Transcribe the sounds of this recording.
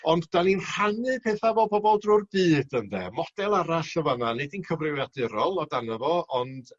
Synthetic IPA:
ɔndd̥aninr̥anɨpʰeːθavɔbɔbɔlˠdrʊrbɨːd̥əndɛmɔd̥ɛlˠaɾaɬəvananedinkʰəvrɪwjadɪɾɔlˠɔdanavɔɔnd

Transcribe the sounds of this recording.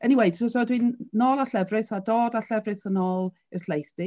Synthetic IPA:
əniwejd̥sɔsɔdwinnɔːlˠaɬɛvrɨθadoːdaɬɛvrɨθənɔːlˠ | əslejθd̥ɪ

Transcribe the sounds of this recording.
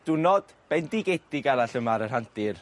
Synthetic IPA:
d̥ʊnɔd̥b̥ɛndiɡetdiɡaɾaɬəmaɾərhantɪr

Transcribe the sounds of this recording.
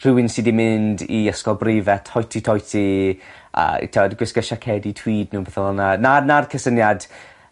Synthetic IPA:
r̥ɪwɪnsidimɪndiəskɔlˠbrevɛtʰhɔjtʰitʰɔjtʰi | ə̰tʰɛɛdɡwɪskəʃakʰɛditʰw̥iːdnuːbɛθɔlɔnananarkʰəsənjad̥

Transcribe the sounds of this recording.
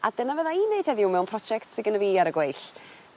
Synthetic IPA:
a̰d̥ənavəðaineɨθhɛðɪʊwmɛwnpʰrɔd͡ʒɛktsɪɡənəviaɾəɡweɨɬ

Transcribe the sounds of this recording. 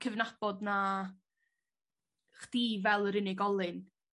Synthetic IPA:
kʰəvnab̥ɔdna | χd̥ivɛlˠəɾɪnɪɡɔlˠɨn

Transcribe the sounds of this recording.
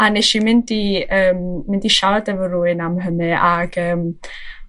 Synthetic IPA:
aneʃimɪndiəːmːɪndiʃadɛvəruɨnamɦənɨaɡ̥əːm

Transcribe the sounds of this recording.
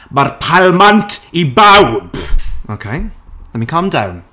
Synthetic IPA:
marpʰalˠmantʰibawb̥okʰeɪlɛnmikʰʌ̃mdãwn

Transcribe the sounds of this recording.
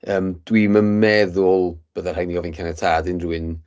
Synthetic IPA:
əːmd̥wiməmɛðʊlˠb̥əðar̥hajniɡɔvɪnkʰɛnɛtʰaːdɪnruɪn

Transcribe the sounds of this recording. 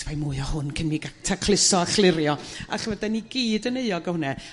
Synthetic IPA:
vajmʊɨɔhʊnkʰənmiɡatʰakʰlˠɪsɔaχlˠɪɾjɔa̰χvədɛniɡiːdəneɨɔɡɔhʊnɛ

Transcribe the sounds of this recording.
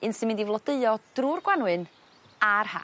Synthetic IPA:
ɨnsɨnmɨndivlˠɔdəɨɔd̥rurɡwanwɨn | arha̰

